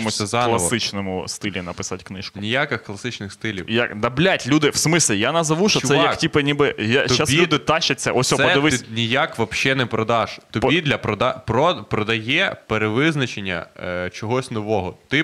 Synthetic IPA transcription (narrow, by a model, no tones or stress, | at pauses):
mʊsʲɛzɑk̪lˠɐsɪt͡ʃnɔmʊst̪ɪlʲinɐpɪsatʲknɪʃkʊnʲijakɪxklˠɐsɪt͡ʃnɪxst̪ɪlʲḭwjakd̪ɐblʲatʲlʲud̪ɪʋsmɪsʲlʲɪjanɐzɐʋuʃɔsɛjjɐktʲipɪnʲibɪjat͡ʃ̪asʲlʲud̪ɪt̪ɑʃɐt͡sʲːɐʔɔsʲɔpɔd̪ɪʋɪnʲijakʋɐpʃɛnɛpɾɔd̪ɑʒ̥t̪ɔpɔbid̪lʲɐpɾɔd̪ɑpɾɔpɾɔd̪ɐjɛpeɾeʋɪznɐt͡ʃenʲːɐ̰t͡ʃɔɦɔsʲnɔʋɔɦɔt̪ɪ